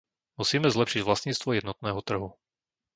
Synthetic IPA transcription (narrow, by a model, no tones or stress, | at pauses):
musiːmɛzlɛpʃiɟvʋlast̪ɲiːt͡st̪ʋɔjɛd̪nɔt̪nɛːɦɔt̪r̩ɦu